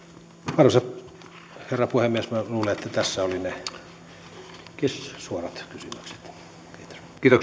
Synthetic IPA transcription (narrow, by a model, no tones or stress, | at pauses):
pɑrhɑsɑt̪ | herːɑpuhemmiesmæluːleet̪ːæt̪æsːæoline | kissuorɑt̪kysymøkse̥t̪ː | kiːt̪o̥s | kiːt̪ok